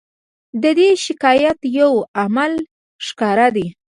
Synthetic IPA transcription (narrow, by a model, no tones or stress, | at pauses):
d̪əd̪eʃɪkɑjat̪jawamal | ʃkɑɾad̪e